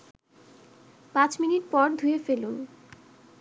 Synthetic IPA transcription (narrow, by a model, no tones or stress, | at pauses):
pãt͡ɕminiʈpɔɾd̪ʱuefelun